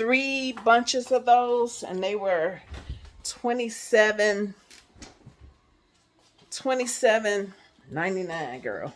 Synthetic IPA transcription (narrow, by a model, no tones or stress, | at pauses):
θɹibʌ̃nt͡ʃɨzʌvðoʊzɨ̰̃nðeɪwə˞ | tʰw̥ɛ̃ñisɛvɨ̃n | tʰw̥ɛ̃ɾ̃isɛvɨ̃nː | ãɪ̃ninãɪ̃nɡɜ̰˞lˠ